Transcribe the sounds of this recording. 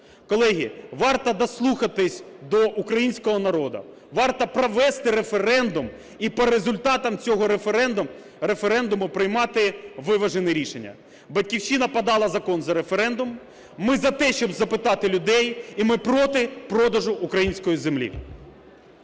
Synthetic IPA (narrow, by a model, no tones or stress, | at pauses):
kɔlˠɛɦʲḭʋɑrt̪ɐd̪ɐslˠuxɐt̪ɪsʲd̪ɔʔukɾɐjinʲsʲkɔɦɔnɐɾɔd̪ɐ̰ | ʋɑrt̪ɐpɾɔʋɛst̪ɪɾefeɾɛnd̪ʊm | ipɔɾezʊlʲt̪ɑt̪ɐmt͡sʲɔɦɔɾefeɾɛnd̪ʊm | ɾefeɾɛnd̪ʊmʊpɾɪjmɑt̪ɪʋɪʋɐʒenɪɾʲiʃenʲːɐ̰ | bɐtʲkʲiwʃinɐpɐd̪ɑlˠɐzɐkɔnzɐɾefeɾɛnd̪ʊmː | ɪzɐt̪ɛʃt͡ʃɔbzɐpɪt̪ɑt̪ɪlʲʊd̪ɛjimɪpɾɔt̪ɪpɾɔd̪ɐʒʊʔukɾɐjinʲsʲkɔjizemlʲḭ